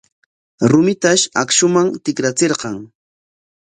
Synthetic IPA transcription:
ɾʊmɪt̪aʃa̰kʃʊmaŋt̪ɪkɾat͡seɾqɑŋ

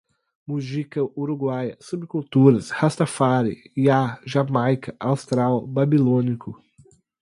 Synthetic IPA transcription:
muzikɐuɾuɡwajɐsubɪkult̪uɾɐshast̪ɐfaɾɪ̰iaʒamajkɐʔawst̪ɾawbabilõnikʊ

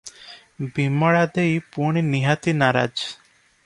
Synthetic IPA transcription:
bimɔɭad̪ejpuɳ̃iniɦat̪inaɾa̰d͡ʒ

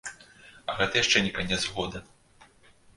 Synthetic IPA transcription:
ɐɣɛt̪ɐjaʂt͡ʂɛnʲɛkanʲɛzɣɔd̪ɐ

